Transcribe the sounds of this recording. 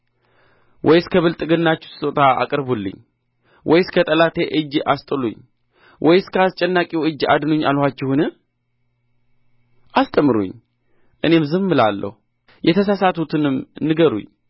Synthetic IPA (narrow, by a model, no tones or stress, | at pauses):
wʔɔjɪskʰəβɨlt̪ʼɨɡɨnːat͡ʃːu̥sɨ̥sʼot̪ʰaa̰kʼɨɾbulːɨ̰ɲː | wʔɔjɪskʰət̪ʼəlat̪ʰeʔɨd͡ʒːast̪ʼɨlṵɲː | wʔɔjɪskʰəast͡ʃʼɛnːakʼiwɨd͡ʒa̰d̪ɨnuɲːa̰lhʷat͡ʃːɪhunɨ | ʔast̪ʼəmɨɾṵɲ | ʔɨne̞mzɨmːɨla̰lːə̰hu | jʔɛt̪ʰəsasat̪ʰut̪ʰɨnɨmnɨɡəɾṵɲː